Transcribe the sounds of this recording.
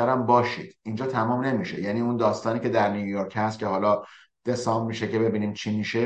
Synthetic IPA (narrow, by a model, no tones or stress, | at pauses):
æɾæmbɒːʃḭːd̪̥iːnd͡ʒɒːt̪ʰæmɒːmne̞miʃe̞̰jæniːund̪ɒːst̪ɒːniːcʰe̞d̪æɾnijujoɾcʰhæst̪̚cʲʰe̞ɦɒːlɒː | d̪̥e̞sɒːmmiːʃece̞be̞biːniːmt͡ʃʰimiːʃe